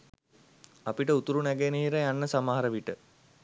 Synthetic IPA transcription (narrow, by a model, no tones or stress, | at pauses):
apiʈəut̪uɾunɛɡeniɦiɾəjanːəsamaɦaɾəʋiʈə